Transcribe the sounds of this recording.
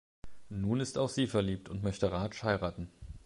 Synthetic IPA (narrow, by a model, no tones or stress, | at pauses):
nuːnɪstaʊxz̥iːfɛɐliːp̚tʰʊntmœçtəʁaːʃhaɪʁaːtn̩